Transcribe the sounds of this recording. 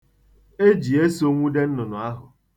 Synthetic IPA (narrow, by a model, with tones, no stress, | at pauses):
e˦d͡ʒi˨e˦so˦ŋʷu˦de˦n̩˦nʊ˨nʊ˨a˦ɦʊ˨